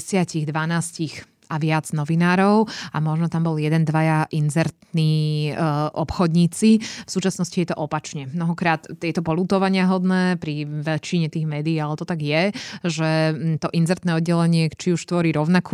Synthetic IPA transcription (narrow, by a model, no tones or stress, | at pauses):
sɪaciɣd̪ʋanaːscix | aʋɪad͡znɔʋinaːɾɔʊamɔʒnɔt̪ambɔljɛd̪ɛnd̪ʋajaʔinzɛɾt̪niː | ʔɔpxɔd̪ɲiːt͡sifsuːt͡ʃasnɔscijɛt̪ɔʔɔpat͡ʃɲɛmnɔɦɔkɾaːt̪ːjɛt̪ɔpɔluːt̪ɔʋaɲɪaɦɔd̪nɛːpɾiʋɛt͡ʃiɲɛt̪iːɣmɛːd̪iːalɛt̪ɔt̪aɡjɛʒɛt̪ɔʔinzɛɾt̪nɛːɔd̪ɟɛlɛɲɪɛt͡ʃiuʃt̪ʋɔɾiːɾɔʊnaku